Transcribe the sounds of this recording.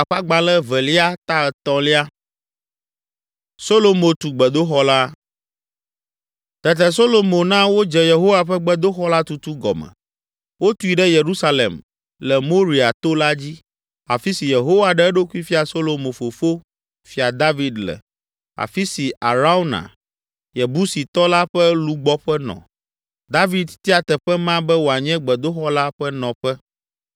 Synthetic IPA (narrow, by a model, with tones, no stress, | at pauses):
a˨ɸa˦ɡ͡ba˨lɛ˦vɛ˨li˦a˦t̪a˦˨t̪ɔ̃˨li˦a˦ | so˦lo˨mõ˨t̪u˨ɡ͡bɛ˨d̪o˦xɔ˦la˦ | t̪ɛ˨t̪ɛ˨s̬o˦lo˨mõ˨nã˦wo˦d͡ʒɛ˨je˨ɦo˦wa˨ɸɛ˦ɡ͡bɛ˦d̪o˦xɔ˦la˦t̪u˨t̪u˦ɡɔ̰˨mɛ̰˨ | wo˦t̪u˦i˨ɖɛ˦je˨ɾu˦sa˦lḛ˨m | lɛ˨mo˦ɾi˨a˨t̪o˦la˦d͡ʑi˦ | a̰˨fi˦si˨je˨ɦo˦wa˨ɖɛ˦ɛ˦ɖo˦ku˦i˦fi˦a˨so˦lo˨mo˨fo˨fo˦ | fi˨a˨d̪a˦vi˨d̪lɛ̰˨ | a̰˨fi˦si˨a̰˨ɾa˦u˦nã̰˨ | jɛ˨bu˦si˨t̪ɔ˦la˦ɸɛ˦lu˦ɡ͡bɔ˦ɸɛ˦nɔ̰̃˨ | d̪a˦vi˨d̪t̪i˦a˨t̪ɛ˨ɸɛ˦mã˦bɛ˦wo˨a˨ɲɛ̃˦ɡ͡bɛ˨d̪o˦xɔ˦la˦ɸɛ˦nɔ̃˨ɸɛ˦